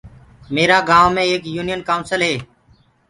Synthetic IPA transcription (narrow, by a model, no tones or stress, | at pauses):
meːɾaːɡãːʋmẽːeːkjuːnɪjənkaːʊnsəlɦeː